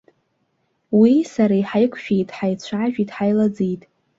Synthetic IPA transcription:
wisaɾajħajkʷʰʃᶣejtʼħajt͡ɕʷʰaʒᶣitʰʼħajlad͡zijtʼ

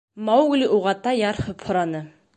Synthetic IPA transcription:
mawɡliʔuʁɑt̪ɑjɑɾhɤphŏɾɑnɤ

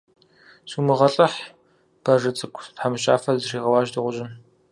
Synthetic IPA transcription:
suːmɨʁɐɬʼɐħ | b̥ɐrɨt͡sʼɨkʷʰʼtħamɨɕʼa̰ːfɐzriːʁɐwɑːʒdɨʁʷʊʒɪn

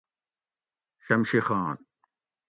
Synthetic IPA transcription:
ɕɐmɕixaːn

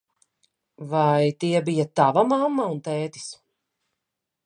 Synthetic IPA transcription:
vajt̪iɛbijat̪avamamːaunt̪ɛːt̪i̥s

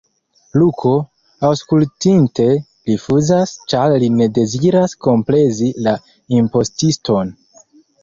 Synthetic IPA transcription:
lukʰo̞ | awskultinte̞ | lifuzast͡ʃaɾline̞de̞ziɾasko̞mpɾe̞zila | impo̞stistʰo̞n

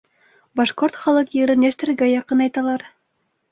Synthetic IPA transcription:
bɑʃqoɾt̪χɑlˠɤqjɘ̆ɾɘnæʃt̪ɘ̆ɾɘɡæjɑqɤnɑjt̪ɑlˠɑɾ

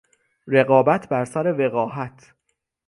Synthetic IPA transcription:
ɾe̞ɣɒːbæt̪ʰbæɾsæɾe̞ve̞ɣɒːhæt̪ʰ

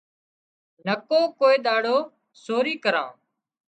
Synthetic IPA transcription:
nəkõːkoːeːɗ̪aːɽoː | soːɾiːkəɾã̰ː

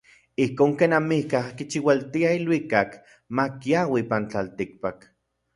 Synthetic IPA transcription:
ihkoːŋkeːnamihkahkit͡ʃiwalt̪iailwikak | makjawipant͡ɬalt̪ik̚pak

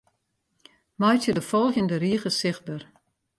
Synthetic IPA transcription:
mɔjtjədəfɔlˠxjəndəriəɣəsɪx̚bər

